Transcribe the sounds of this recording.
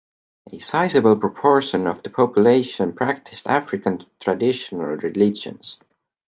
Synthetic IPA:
ʔesaɪsɨbəl̩ˠpʰɹ̥ɔpʰɔɹʃə̃nʌvðəpʰɔpjuleɪʃə̃npʰɹ̥æk̚tʰɪstæ̰fɹɪkə̃nt̪ʰɹ̥adɪʃənə̰lˠɹɪlɪd͡ʒə̰̃ns

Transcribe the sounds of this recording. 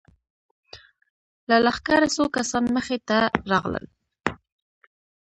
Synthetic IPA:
lalaxkaɾasokasɑnməxet̪aɾɑɣlə̰l

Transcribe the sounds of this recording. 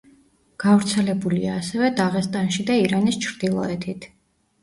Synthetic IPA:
ɡ̥avɾt̪sʰɛlɛbuliaːsɛvɛd̪aʁɛst̪ʼanʃid̪aiɾanist͡ʃʰɾd̪̥ilˠɔ̰ɛt̪ʰit̪ʰ

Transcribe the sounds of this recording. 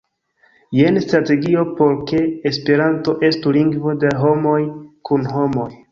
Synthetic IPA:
je̞nstɾate̞ɡio̞po̞ɾke̞ːspe̞ɾanto̞ʔe̞stuliŋɡvo̞daɦo̞mo̞jkunɦo̞mo̞j

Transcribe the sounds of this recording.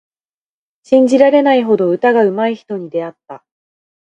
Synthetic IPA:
ɕĩɲ̟d͡ʑiɾaɾe̞naiɦo̞d̪o̞ɯ̟t̪aɡaɯ̟maiçi̥t̪o̞ɲ̟id̪e̞at̪ːa

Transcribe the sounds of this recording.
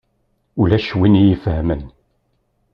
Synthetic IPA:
ulæʃwinijifhəmən

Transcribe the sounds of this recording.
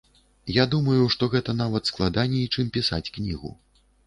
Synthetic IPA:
jad̪umɐjuʂt̪ɔɣɛt̪ɐnavɐt̪sklˠad̪anʲɛit͡ʂɨmpʲisa̰t͡sʲknʲiɣṵ

